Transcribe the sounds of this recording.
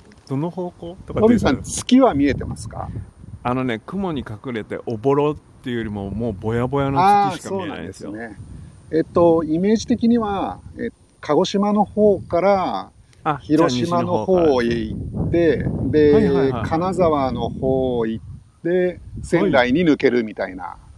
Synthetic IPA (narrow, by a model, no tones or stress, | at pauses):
d̪̥onohoːkoːt̪okt̪omʲisãnt͡sɨ̥kʲiβamʲie̞t̪e̞masɨ̥ka̰ano̞ne̞kɯ̟mo̞ɲ̟ikakɯ̟ɾe̞t̪e̞̰ʔobo̞ɾot̪ːeɯjoɾʲimomoːbo̞jabo̞janoaso̞ːnãd̪sɨne̞et̪ːo̞ime̞ːʑit̪e̞kʲiɲ̟iβaetokʰaɡo̞ɕimano̞ho̞ːkaɾa | çiɾo̞ɕimano̞ho̞ːeitt̪ːe̞d̪e̞kʰanazaβano̞ho̞ːit̪ːe̞sẽ̞nɾaiɲ̟inɯ̟ke̞ɾɯ̟mʲit̪aina̰